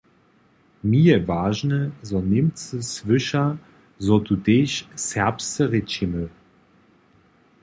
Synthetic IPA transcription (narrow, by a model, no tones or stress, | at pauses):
miəvaːʒnəzɔnemt͡səsvʏʃɐ | zɔtuteːɕsɛɐpstəʁet͡ʃimə